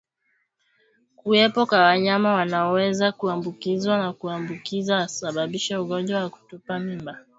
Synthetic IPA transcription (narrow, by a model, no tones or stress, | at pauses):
kuɛpɔkwawaɲamawanaɔwɛzakuambukizwanakuambukizawasaɓaɓiʃɛuɣɔnd͡ʒwawaku̥tupamimba